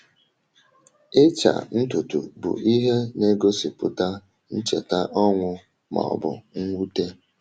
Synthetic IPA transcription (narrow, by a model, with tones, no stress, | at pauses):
ɪ˦t͡ʃa̰˨n̩˦tu˨tṵ˨bʊ̰˨ʔi˦ɦe˦ne˦ɡo˦si˨pʊ˨ta˦ | n̩˦t͡ʃe˨ta˦ʔɔ˦ŋʷʊ˦ | mɔ̰˨ɔ̰˨bʊ̰˨ŋ̩˦wʷu˦te˦